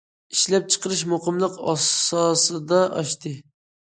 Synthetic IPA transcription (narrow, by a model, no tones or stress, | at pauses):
iʃlɛp̚t͡ʃʰə̥qəɾɨʃmoqəmlˠəqɑ̰sɑsɨd̪ɑʔɑʃt̪ɨ